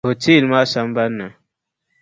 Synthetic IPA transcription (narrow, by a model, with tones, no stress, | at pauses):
o˨ti˦˨lma˦sa˦mba˦na˨